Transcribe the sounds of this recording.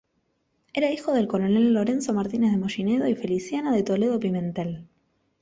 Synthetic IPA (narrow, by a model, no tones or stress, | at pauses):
eɾaixo̞ð̞e̞lko̞ɾo̞ne̞lːo̞ɾe̞nso̞maɾt̪inezðemo̞ʃineðo̞ife̞lisjanaðe̞t̪o̞le̞ðo̞pimẽ̞nt̪el